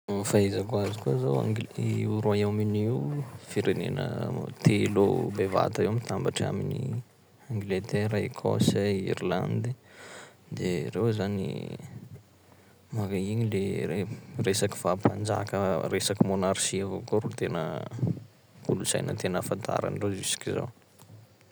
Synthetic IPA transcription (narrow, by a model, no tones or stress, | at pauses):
faezakuazikuazawa̰uɾajaminiwfiɾenḛnə̰t̪ʰelo̰beva̰t̪aewmit̪ambaʈ͡ʂa̰minḭ | aŋɡlet̪ɛɾaikʰo̰saḭɾla̰nd̪i | d̪erewzanḭ | makaiŋileeresaki̥fapand͡ʒa̰kəresakimonaɾʃiavokoɾut̪enə̰ | kulusa̰jnə̰t̪enəfant̪ʰa̰ɾa̰nɖ͡ʐozisi̥kiza̰w